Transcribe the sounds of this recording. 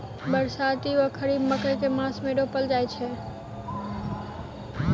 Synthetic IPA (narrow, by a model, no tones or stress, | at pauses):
bəɾsat̪iʋəkʰəɾibməkəjkemãsmeɖopəld͡ʒajt͡ʃʰɛ